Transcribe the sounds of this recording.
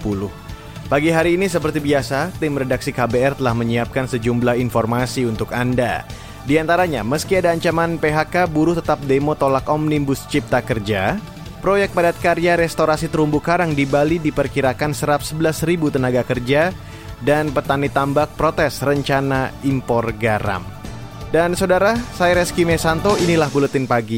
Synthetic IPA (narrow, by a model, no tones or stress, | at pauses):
pulʊh | baɡiɦaɾiːnisəpərt̪ibiasat̪ɪmrɛdaksikabeɛrt̪əlahməɲiap̚kansəd͡ʒumblahinfɔrmasiunt̪ʊkanda̰ | diant̪aɾaɲa̰məskiadaːɲt͡ʃamanpeɦakabuɾʊht̪ət̪ap̚demot̪olakɔmnibʊst͡ʃip̚t̪akərd͡ʒa | pɾojɛk̚t̪̚padat̪̚kaɾiaɾɛst̪oɾasit̪əɾumbukaɾaŋdibalidipərkiɾakansəɾap̚səbəlasɾibut̪ənaɡakərd͡ʒa | danpət̪anit̪ambak̚pɾot̪ɛsrəɲt͡ʃanaimpɔrɡaɾa̰m | dansawdaɾasajɾɛskimɛsant̪oinilahbulət̪ɪnpaɡi